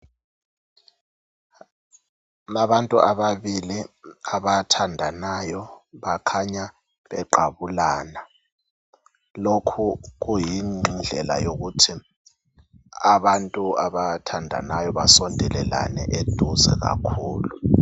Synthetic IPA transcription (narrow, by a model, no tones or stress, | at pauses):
laɓantʼuʔaɓaβiliaɓatʰandʱanajɔɓakʰaɲa | ɓɛǃaɓulaːna | lokʰuɣ̬ujind͡ɮʱɛla̰jok̬utʰi | aɓantʼuaɓatʰandʱa̰najɔβasɔndʱɛlɛla̰nɛ̰ʔed̥ʱuzɛ̰ɣ̬a̰kʰuːlu